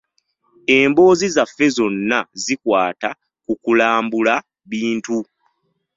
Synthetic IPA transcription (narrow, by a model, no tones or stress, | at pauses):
e̞ːmbo̞ːzizafːe̞zo̞nːazikwaːta | kukulaːmbula | βiːntu